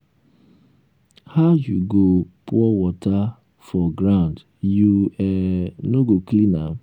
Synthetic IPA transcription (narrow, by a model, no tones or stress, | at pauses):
haʊjuɡopuɔwɔta | fɔɡɾãnd | juɛnoɡoklina̰m